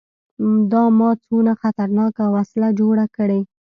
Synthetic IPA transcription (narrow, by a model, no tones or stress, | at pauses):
d̪ɑmɑt͡sonaxat̪aɾnɑkawaslad͡ʒoɽakəɽe